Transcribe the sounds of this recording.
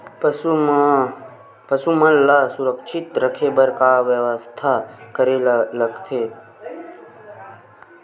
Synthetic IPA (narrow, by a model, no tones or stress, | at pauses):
pəsumə̃lasuɾəkʃʰɪt̪ɾəkʰebəɾkaʋjəʋəst̪ʰakəɾeləɡt̪ʰe